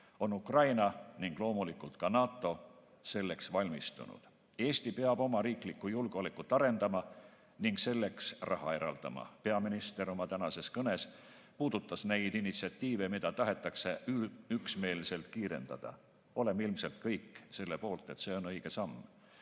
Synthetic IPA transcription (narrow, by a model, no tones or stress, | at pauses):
o̞nukrɑjnɑniŋɡ̥lo̞ːmulikˑult̪kɑnɑːt̪ːˑo̞ | se̞lːe̞ksvɑlʲmist̪ṵnṵd̪̥ | e̞ːst̪ipe̞ɑb̥o̞mɑɾiːklikːˑujulɡ̥olikːˑut̪ːˑɑɾe̞nd̪ɑmɑ | niŋɡse̞lːe̞ksrʔɑɦɑ̰e̞ɾɑ̰ld̪̥ɑ̰mɑ̰pe̞ɑminist̪e̞ɾo̞mɑt̪ænɑse̞skɤne̞s | puːd̪̥ut̪ːˑɑsne̞jd̪̥inːit̪siɑt̪ːiːve̞mid̪̥ɑt̪ɑɦe̞t̪ːˑɑkseyksme̞ːlse̞lt̪̚kiːɾe̞̰nd̪ɑ̰d̪̥ɑ̰ | o̞le̞milmse̞lt̪kɤjkːˑse̞lːe̞po̞ːlt̪ˑe̞t̪se̞o̞nɤ̞jɡ̥e̞sɑmː